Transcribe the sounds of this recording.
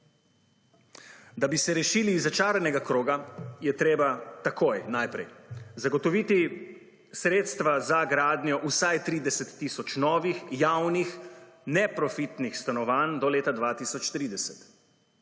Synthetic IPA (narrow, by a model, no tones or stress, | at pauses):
d̪abisɛɾɛʃiːliːzat͡ʃaːɾɛnɛɡakɾoːɡajɛt̪ɾeːbat̪akojnajpɾɛ̰jzaɡɔt̪ɔʋiːt̪i | sɾeːt̪st̪ʋazaɡɾaːd̪njɔʔusajt̪ɾiːd̪ɛsɛt̪ːisɔt͡ʃnɔːʋixjawnixnɛpɾɔfit̪nixst̪anɔʋaːnd̪ɔleːt̪ad̪ʋat̪isɔt͡ʃt̪ɾiːd̪ɛsɛt̪